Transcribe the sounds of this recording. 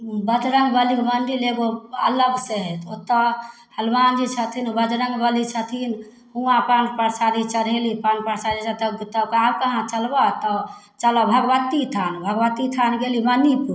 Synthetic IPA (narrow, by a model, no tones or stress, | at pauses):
bəd͡ʒ̪ɾəŋɡbəlikməɳɖileɡoə̰ləɡseɦɛt̪ot̪ːɔ | həlmand͡ʒit͡ʃʰət̪ʰinbəd͡ʒ̪ɾəŋɡbəlit͡ʃʰət̪ʰin | uapaɳɖpəɾsaɾit͡ʃəɽɦelipaɳpəɾsaɾit͡ʃʰət̪ət̪əkab̚kəɦãt͡ʃəlbat̪ɔ | t͡ʃəlɔbʱəɡʋət̪it̪ʰanbʱəɡʋət̪it̪ʰanɡelimənipu